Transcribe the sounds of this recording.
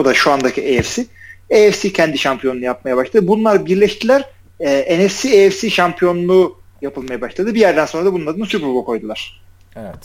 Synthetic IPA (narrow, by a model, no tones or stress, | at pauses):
od̪aʃuand̪acʰiʔeɛfsieɛfsicʰɛnd̪iʃampʰijo̞nunujap̚majabaʃlad̪ɯbunlˠaɾbiɾlʲɛʃt̪ʰilʲæɾ | ɛːenɛfsieɛfsiʃampʰijo̞nlˠuː | japɯlˠmajabaʃlˠad̪ɯbijæɾd̪ænso̞nɾad̪abunˠaɾɯnsypɾobukʰo̞jd̪ulˠaɾ̥ | evɛt̪